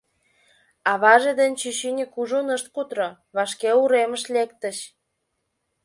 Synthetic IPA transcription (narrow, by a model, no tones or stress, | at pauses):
ɑβɑʒed̪enʲt͡ɕyɕinʲekuʒunəʃt̪̚kut̪ɾo | βɑʃkeuɾeməʃlekt̪əʃ